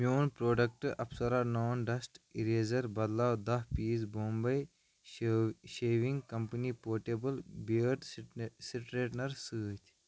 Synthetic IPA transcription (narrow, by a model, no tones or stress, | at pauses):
mjoːnpɾoːɖɐk̚ʈɨɐpsɐɾaːnoːnɖɐsʈiɾeːzɐɾbɐd̪laːwd̪ɐɦpiːsboːmbɐj | ʃeːʋiŋɡkɐmpɐniːpoːɾʈeːbɐlbiʈsiʈɾeːʈnɐɾsɨːt̪ʲʰ